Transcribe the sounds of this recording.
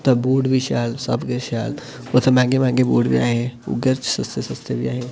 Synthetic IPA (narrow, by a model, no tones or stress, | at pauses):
t̪ɐbuːɖbʱiʃaːlsɐ̰bɡeʃaːl | ot̪ʰɐmãːŋɡemãːɡebuːɖbʱia̰ːɦeṵɡəɾt͡ʃsɐst̪esɐst̪ebʱiaːɦe